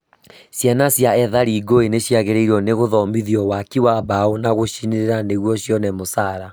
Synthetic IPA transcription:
sjanasjaɛðaɾiːɡoeneɕjaɣeɾeiɾɔneɣoðɔmbiðiɔwakiwaβaonaɣoʃineɾeɾaneɣwɔɕjɔnɛmosaɾa

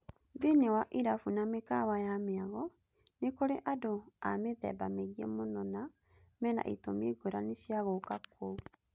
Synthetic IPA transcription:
ðinewaʔiɾafunamekawajameaɣɔ | nekoɾeʔadoameðɛ̰bameɣiɛ̰monɔna | mɛna̰ʔitomeɡoɾaneɕiaɣokakou

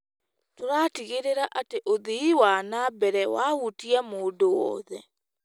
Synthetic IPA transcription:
toɾaːtiɣeɾeɾaʔateʔoðiiwanabɛɾɛwahutiamoːdowɔ̰ːðɛ

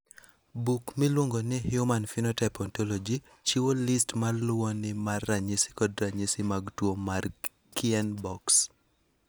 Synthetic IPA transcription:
bukmilwoŋɡonɪhjumanfinɔtɛpɔntɔlɔd͡ʒi | t͡ʃiwolistmalʊwɔnɪmarːaɲɪsɪ̥kɔdɾaɲisɪmaɡtwomar | kɪɛnbɔks

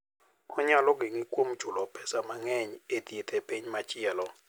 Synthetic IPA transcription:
kɔɲalɔk̬ʼeŋikʼom̩d̥t͡ʃulɔpʰɛsamaŋɛɲietʼiɛtʰʼɛpʰʼeɲimat͡ʃʼijalɔ

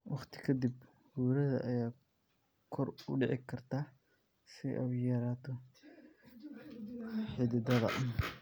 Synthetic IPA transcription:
wɑχt̪ʰɪ̥kʰɐd̪ib | huːɾɐðɐ̰ʔɐjaː | kʰɔrʊ̰ɖɛʕɪkʰɐrt̪ʰaː | sɪʔɐ̰jɐɾaːt̪ʰɔ | ħɪd̪ɪd̪ɐðɐ̰

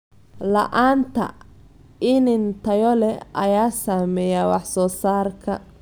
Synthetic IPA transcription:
lɐ̰ʔaːnt̪ʰɐ̰ | ɪnɪnt̪ʰɐjɔlɛʔɐ̰jaːsaːmɛːjawɑħsɔːsaːrkʰɐ̰

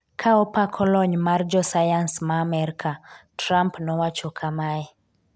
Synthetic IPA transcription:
kʰaɔpakʰɔlɔɲmard͡ʒɔsajansmaːmɛɾikʰatɾampnɔwat͡ʃɔkʰamaɛ

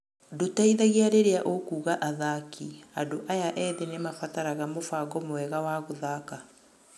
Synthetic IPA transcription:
dotaiðaɣiaɾeɾeaʔokuːɣaʔaðakʰiadoʔajaʔɛːðenemafataɾaɣamofaɡɔmowɛɣawaɣoðaka

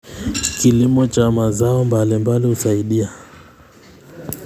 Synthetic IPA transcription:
kilimɔt͡ʃamazaɔmbalimbalihusaiɗia

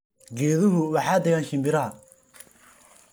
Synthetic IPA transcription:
ɡɛːðʊɦʊwɑħɑːd̪ɛɣaːnʃɪmbɪɾaː

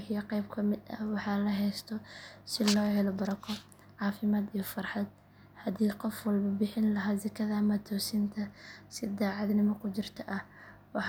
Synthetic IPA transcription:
ħijɐqɛjbkʰɐmɪd̪ɐ̰wɑħɑlɐɦɛjst̪ʰɔsɪlɔːhɛlɔbɐɾɐkʰɔ | ʕɑːfɪmaːd̪ijɐfɐrħɑd̪ | hɐd̪iːqɔfwɐlbɐbɪħɪnlɐɦaːzɐkʰɐðɐmɐt̪ʰɔːsɪnt̪ʰɐsɪd̪aːʕɑd̪nɪmɐkʰʊt͡ʃɪrt̪ʰɐʔɐh | wɑħ

